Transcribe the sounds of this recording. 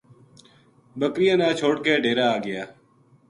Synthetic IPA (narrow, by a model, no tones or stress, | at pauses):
bəkɾɪjãːnãːt͡ʃʰoːʈkeːɖʱeːɾaːɡɪjaː